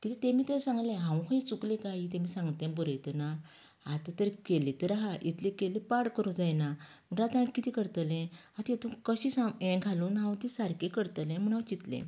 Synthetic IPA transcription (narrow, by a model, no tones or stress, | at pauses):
kit̪it̪emiːt̪esãŋɡlẽɦãwkʰãit͡suklekait̪ẽmiːsãŋɡt̪ɛ̃bəɾəjt̪əna | at̪at̪əɾkelit̪əɾaɦaʔit̪lekelipaɽkəɾud͡zajna | m̤əɳɾat̪aakit̪ikəɾt̪lɛ̃ | at̪it̪ũkəɕisaɛ̃ɡʱaluːnɦãwt̪isaɾkekəɾt̪əlɛ̃m̤əɳ̃ãwt͡ɕit̪lḛ̃